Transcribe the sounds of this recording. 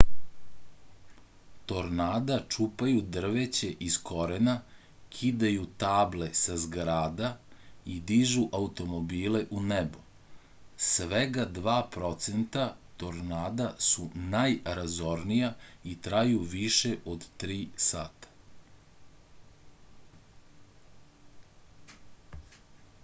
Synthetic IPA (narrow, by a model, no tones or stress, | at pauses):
t̪o̞ɾnaːd̪at͡ʃupajud̪r̩ʋet͡ɕe̞ʔisko̞ɾena | kʰid̪ajut̪aːble̞sazɡɾaːd̪aid̪iʒuʔaut̪o̞mobiːleʔunebo | sʋeɡad̪ʋaːpɾo̞t̪sent̪at̪o̞ɾnaːd̪asunajɾazo̞ɾnijait̪ɾajuʋiʃeʔod̪t̪ɾiːsaːt̪ḁ